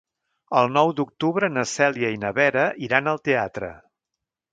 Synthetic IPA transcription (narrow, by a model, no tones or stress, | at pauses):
əlˠnɔwd̪uk̚t̪uβɾənəsɛliəinəβɛɾəʔiɾanəlˠt̪eat̪ɾə̰